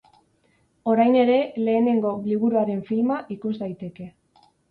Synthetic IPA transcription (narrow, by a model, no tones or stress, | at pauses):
o̞ɾajne̞ɾe̞le̞ːne̞ŋɡo̞liβuɾuaɾe̞ɱfilmaʔikuzd̪ajt̪e̞ke̞